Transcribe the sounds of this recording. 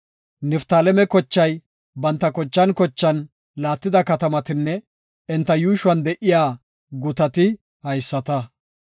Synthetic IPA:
nɛft̪aːlɛmɛkɔt͡ʃːɐj | bɐnt̪ːɐkɔt͡ʃːɐnkɔt͡ʃːɐn | laːt̪ːɪd̪ɐkɐt̪ɐmɐt̪ɪnːɛ | ɛnt̪ːɐjuːʃʊwɐnd̪ɛʔɪjaː | ɡʊt̪ɐt̪ɪ | hɐjsːɐt̪ɐ

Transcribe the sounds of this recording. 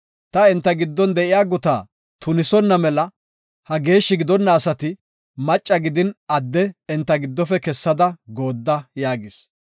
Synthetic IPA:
t̪ɐɪnt̪ːɐɡɪd̪ːɔnd̪ɛʔɪjaːɡʊt̪aː | t̪ʊnɪsɔnːɐmɛlɐ | hɐɡe̞ːʃːɪɡɪd̪ɔnːɐːsɐt̪ɪ | mɐt͡ʃʼːɐɡɪd̪ɪnɐd̪ːɛɪnt̪ːɐɡɪd̪ːɔfɛkɛsːɐd̪ɐɡo̞ːd̪ːɐjaːɡɪs

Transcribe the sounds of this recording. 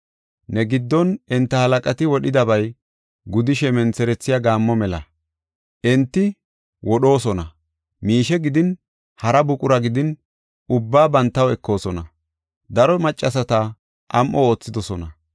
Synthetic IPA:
nɛɡɪd̪ːɔnɛnt̪ːɐhɐlɐkʼɐt̪ɪwɔɗɪd̪ɐbɐj | ɡʊd̪ɪʃɛmɛnt͡sɛɾɛt͡sːɪjaɡaːmːɔmɛlɐ̰ | ʔɛnt̪ːɪ | wɔɗo̞ːsɔnɐ | miːʃɛɡɪd̪ɪn | hɐɾɐbʊkʼʊɾɐɡɪd̪ɪn | ʊbːaːbɐnt̪ːɐwɛkːo̞ːsɔnɐ | d̪ɐɾɔmɐt͡ʃʼːɐs̬ɐt̪ɐ | ʔɐmʔɔoːt͡sːɪd̪ɔsɔnɐ

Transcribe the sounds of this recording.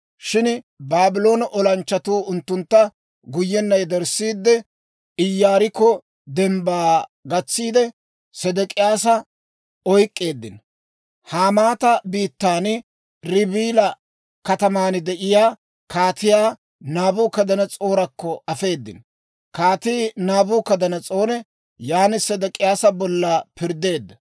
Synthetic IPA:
ʃɪn | baːbɪlo̞ːnɐʔɔlɐnt͡ʃːɐt̪uːʊnt̪ːʊnt̪ːɐ | ɡʊjːɛnːɐjd̪ɛɾsiːd̪ːɛ | ɪjːaːɾɪkːɔ | d̪ɛmbaːɡɐt͡sːiːd̪ɛ | sɛd̪ɛkʼɪjaːsɐ | ɔjkʼːe̞ːd̪ːɪn | haːmaːt̪ɐbiːt̪ːaːn | ɾɪbiːlɐ | kɐt̪ɐmaːnɪd̪ɛʔɪjaː | kaːt̪ɪjaː | naːbuːkɐd̪ɐnɐt͡sʼo̞ːɾɐkːɔʔɐfe̞ːd̪ːɪ̰n | kaːt̪iːnaːbuːkɐd̪ɐnɐt͡sʼo̞ːnɛ | jaːnɪsɛd̪ɛkʼɪjaːsɐbɔlːɐpɪɾd̪e̞ːd̪ːɐ

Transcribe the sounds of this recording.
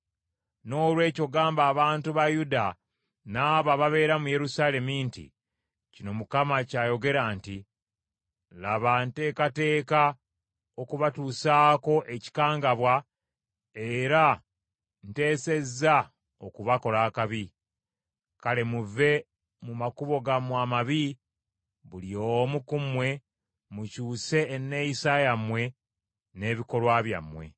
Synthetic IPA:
no̞ːlwe̞ːco̞ɡaːmbaːβaːntuβajuda | naːβaβaβe̞ːɾamuje̞ɾusaːle̞mintḭ | cino̞mukamacaːjo̞ɡe̞ɾanti | laβante̞ːkate̞ːka | o̞kuβatuːsaːko̞ʔe̞ci̥kaːŋɡaβwa | eɾa | nte̞ːse̞zːa | okuβako̞laːkaβi | kale̞muve̞ | mumakuβo̞ɡamwaːmaβi | βuliomukumwe̞ | mucuːse̞ːnːe̞jisajamwe̞ | ne̞ːβiko̞lwaːβja̰mwe̞̰

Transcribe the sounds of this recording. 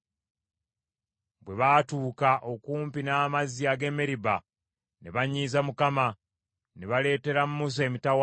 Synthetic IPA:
bwe̞βaːtuːkaʔo̞kuːmpinaːmaziaɡe̞meɾiba | ne̞βaɲːiːzamukama | neβale̞ːte̞ɾamumus̬e̞mitawa

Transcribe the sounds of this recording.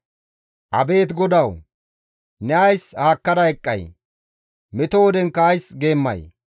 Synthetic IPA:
ʔɐbe̞ːt̪ɡɔd̪ɐw | nɛɐjshaːkːɐd̪ɐɛkʼːɐ̰j | mɪt̪owɔd̪ɛŋkːɐːjsɡe̞ːmːɐ̰j

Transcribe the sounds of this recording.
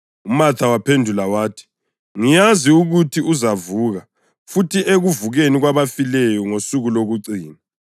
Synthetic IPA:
umatʰawapʰendʱulawaːtʰi̥ | ŋijaziuɣutʰiʔuzavuːɣa | futʰiʔeɣuvuɣeniɣwaβafilɛjɔŋosuɣuloɣuǀiːna

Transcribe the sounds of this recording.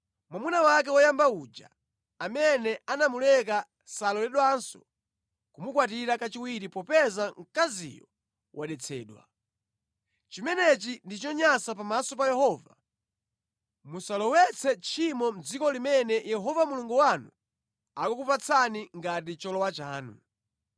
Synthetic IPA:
mwamunawak̬ɛwɔjambaud͡ʒa̰ | amɛnɛanamulɛk̬a | salɔlɛɗwansɔ̥̰ | kumukwat̬iɾakat͡ʃiwiɾipɔpɛzaŋ̩kazḭjɔ̰ | wʔaɗɛt͡sʰɛ̰ːɗwa̰ | t͡ʃimɛnɛt͡ʃindit͡ʃɔɲasapamasɔp̬ajɛhɔːva | musalɔwɛt͡sʰɛt͡ʃʰimɔm̩d͡zikɔlimɛnɛjɛɦɔvamuluŋɡuwanu | akɔkupat͡sʰaniŋɡatit͡ʃɔlɔwat͡ʃaːnṵ

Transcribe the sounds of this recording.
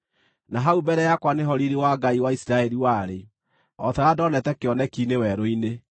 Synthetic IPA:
naɦaubɛɾɛjakwaneɦɔɾiɾewaɡaiwaisiɾaɛɾiwaɾe | ɔtɛɾadɔnɛtɛkeɔnɛkinewɛɾoine

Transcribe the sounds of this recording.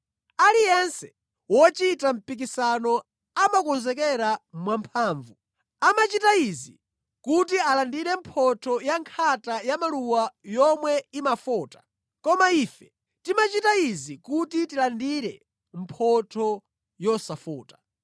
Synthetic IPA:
alijɛnsɛ̥ | wɔt͡ʃitam̩pik̬isanɔ | amakɔnzɛkɛɾamwampʰaːɱvu | amat͡ʃitaizi | kutialandiɾɛmpʰɔtʰɔjaŋkʰatajamaluwajɔmwɛimafɔːtḁ | kɔmaiːfɛ̥ | timat͡ʃitaizikutitilandiɾɛ | m̩pʰɔtʰɔ | jɔsafɔːtḁ

